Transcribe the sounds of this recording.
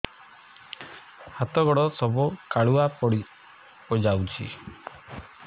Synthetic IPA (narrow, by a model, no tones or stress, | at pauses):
hat̪ɔɡɔɽɔsɔbukaɭuapɔɽi | od͡ʒawt͡ʃʰḭ